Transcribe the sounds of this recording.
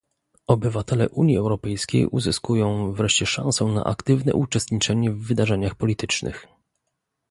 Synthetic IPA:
ɔbɘvat̪ɛlɛ̰ʔuɲjiɛwɾɔpɛjskʲḛjʔuzɘskujɔ̃w̃vɾɛʂt͡ɕɛʂã̰ñsɔ̃w̃na̰ʔa̰kt̪ɘvnɛ̰ʔut͡ʂɛst̪ɲit͡ʂɛɲɛvːɘd̪aʐɛɲaxpɔlʲit̪ɘt͡ʂnɘ̰x

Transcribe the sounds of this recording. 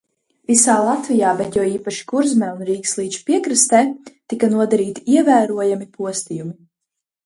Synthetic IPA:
visaːlˠat̪vijaːbɛt̪jɔwiːpaʃi̥kuɾzmɛunɾiːkslˠiːt͡ʃpiɛkɾɨst̪ɛːt̪ikanuɔd̪aɾiːt̪iiɛvæːɾuɔjamipuɔst̪ijumi

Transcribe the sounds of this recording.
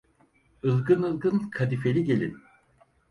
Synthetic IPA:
ɯlˠɡɯnɯlˠɡɯnkʰad̪ife̞lʲiɟe̞lʲḭn

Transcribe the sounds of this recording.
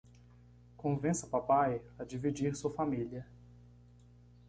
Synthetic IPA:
kõvẽsɐpapajɐd͡ʒivid͡ʒiɾsuɐfamiliɐ

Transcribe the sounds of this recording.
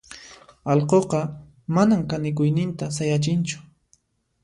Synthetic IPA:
ɑlqoqɑ | manamkanɪk̬ʊjnɪnt̪as̬ajat͡ʃɪnt͡ʃʊ̥

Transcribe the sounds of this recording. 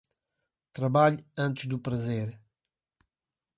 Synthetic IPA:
t̪ɾɐβaʎɐ̃nt̪ʒd̪upɾɐzeɾ

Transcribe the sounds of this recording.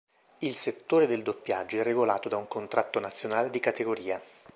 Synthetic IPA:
ilset̪ːoːɾed̪eld̪opːjad͡ʒːoɛrːeɡolaːt̪od̪auŋkont̪ɾʔat̪ːonat̪sːjonaːled̪ikat̪eɡoɾiːa

